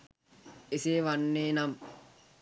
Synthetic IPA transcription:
eseːʋanːeːnam

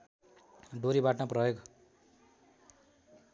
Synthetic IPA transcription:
ɖoɾibaʈnʌprʌjoɡ

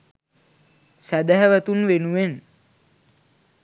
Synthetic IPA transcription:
sæd̪æɦɛʋæt̪unʋenuen

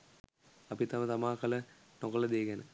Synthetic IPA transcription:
ɐpit̪ɐmət̪ɐmaːkɐlə | nokɐlɐd̪eːɡenə

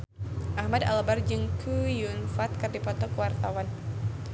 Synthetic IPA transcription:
ʔahmada̰lbard͡ʒɨŋkʰujunfat̪̚kɨrdipɔt̪ɔkəwart̪awan

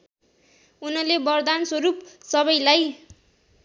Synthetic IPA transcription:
unʌlebʌrd̪answʌɾupsʌβʌjlaj

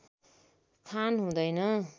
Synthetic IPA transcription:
kʰanɦũd̪ʌjnʌ

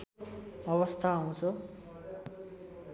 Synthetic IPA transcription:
ʌβʌst̪ʰaːw̃t͡sʰʌ

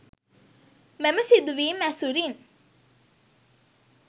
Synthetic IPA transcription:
meməsid̪uʋiːmæsuɾin

